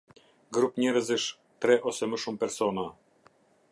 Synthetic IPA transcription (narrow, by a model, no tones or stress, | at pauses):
ɡɾupɲɛɾəzəʃ | t̪ɾɛʔɔsɛməʃumpɛɾsɔna